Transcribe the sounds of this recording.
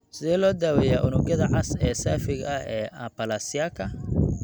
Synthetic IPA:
sɪðɛːlɔːd̪aːwɛjaːʔʊnʊɡɐðɐʕɑsɛːsaːfɪɡɐhɛːʔɐpɐlasɪjaːkʰɐ

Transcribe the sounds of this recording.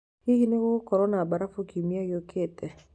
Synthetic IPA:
kikinekokɔɾɔnabaɾafokimiajokʰetɛ

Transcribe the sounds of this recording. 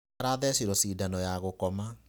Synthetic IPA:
ɾaðɛsiɾɔsiːdanɔjaɣokɔma

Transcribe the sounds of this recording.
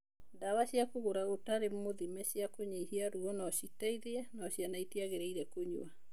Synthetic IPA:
ndawaɕiakoɣoɾaɣotaɾemoðimɛɕjakoɲeihiaɾuɔnɔɕitɛiðeɛnɔɕjanaiteaɣeɾeiɾɛkoɲṵa

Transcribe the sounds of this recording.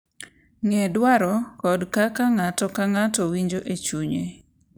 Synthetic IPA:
ŋɛdwaɾɔkɔdkakaŋatɔkaŋatɔwiɲd͡ʒoʔet͡ʃuɲe

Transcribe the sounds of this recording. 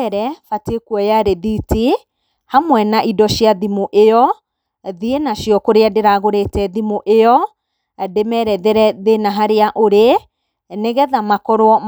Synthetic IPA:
ɛɾɛfatekwɔjaɾeðiti | hamwɛnaʔidɔʃjaðimoʔejɔ | ðienaʃjɔkoɾeadeɾaɣoɾetɛðimoʔeɔ | demɛɾɛðeɾɛðenaɦaɾeaʔoɾe | neɣɛðamakɔɾwɔm

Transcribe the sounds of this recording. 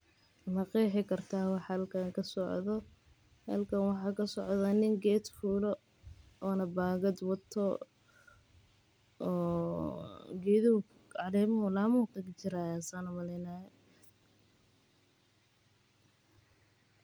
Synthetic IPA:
mɐqiːħɪkʰɐrt̪ʰaːwɑħɑlkʰaŋkʰɐsɔʕðɔ | hɐ̰lkʰɐnwɑħɑːkʰɐsɔʕðanɪŋɡɛːd̪fuːlɔ | ɔːnɐbaːɣɐd̪wɐt̪ʰɔ | ɔː | ɡɛːðɪʊ | ɑlɛːmɐɦʊlamuːqɛɡt͡ʃɪɾaːjaːsaːnʊmɐlɛjnaːɛ

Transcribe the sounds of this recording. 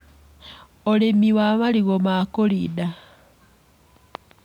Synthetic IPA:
olemiwaβaliɣomakolida

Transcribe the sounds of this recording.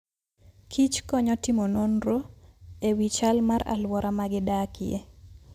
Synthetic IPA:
kʰit͡ʃkɔɲɔtɪmononɾoewit͡ʃalmaɾa̰lwɔɾʔamaɡɪdakɪe

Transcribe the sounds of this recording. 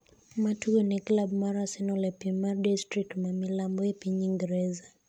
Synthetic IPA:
matuɡɔnɛklabmaɾasɛnɔlɛpimaɾdistɾik̚tmamilambɔɛpiɲiŋɡɛɾɛza

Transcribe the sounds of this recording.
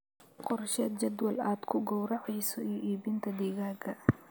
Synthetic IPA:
qɔrʃɛd̪̚t͡ʃɐd̪wɐlaːd̪kʰʊɡɔwɾɑʕɑjsɔijɔʔiːbɪnt̪ʰɐd̪iːɣaːɡʰɐ

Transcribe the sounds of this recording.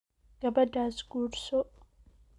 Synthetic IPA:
ɡ̥ɐbɐdasɡuɾso

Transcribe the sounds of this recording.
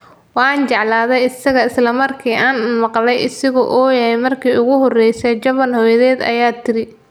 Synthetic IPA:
wɑːnt͡ʃɑʕlaːðɛjɪsɐɣɐɪslɐmɐrkʰiːʔaːnmɑqlɛjʔɪsɪɣɔ̰ʔɔːjɐhɛjmɐrkʰiːʊɣʊɦɔrɛjsɛt͡ʃɐβɐnhɔjɐðɛːd̪ɐ̰jaːt̪ʰɪɾɪ

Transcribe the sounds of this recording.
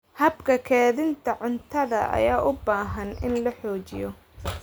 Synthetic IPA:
hɐbkʰɐkʰɛːðɪnt̪ʰɐʕʊnt̪ʰɐðɐʔɐ̰jaːʔʊbaːɦɐnɪ̰nlɐħɔːt͡ʃɪjɔ

